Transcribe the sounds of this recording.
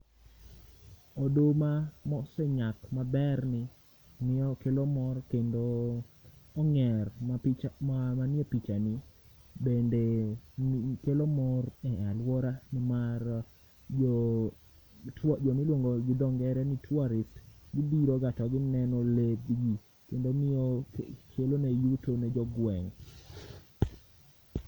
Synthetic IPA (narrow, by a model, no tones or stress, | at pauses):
odomamɔsɛɲakmabɛrnɪ | nɪɔkelomɔrkendoː | ŋɛrmapit͡ʃamamanɪɛpit͡ʃanɪ | bende | kelomɔrɛalwɔɾanɛmar | d͡ʒɔ | td͡ʒɔmɪlwoŋɡoɡɪdɔŋɡɛɾɛnitʰwaɾɪsɡibiɾoɡatɔɡɪnɛnɔleɡɡi | kendomɪokʰelonejutonɛd͡ʒɔɡwɛŋ